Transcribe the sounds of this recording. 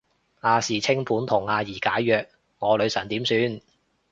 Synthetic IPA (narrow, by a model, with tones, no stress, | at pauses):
aː˨˧siː˨˩t͡sʰɪ˥ŋpʰuː˨˥nt̪ʰʊ˨˩ŋaː˧jiː˨˩kaː˨˥jjœː˨˧k̚ | ŋɔː˨˧lɵ˨˧ɥsɐ˨˩nt̪iː˨˥msyː˧n